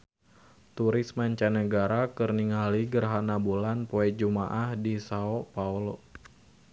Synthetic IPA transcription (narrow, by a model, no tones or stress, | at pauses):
t̪uɾɪsmaɲt͡ʃanəɡaɾakərniŋaliɡərɦanabulanpɔɛt̪̚d͡ʒumaʔahdisaɔpaulo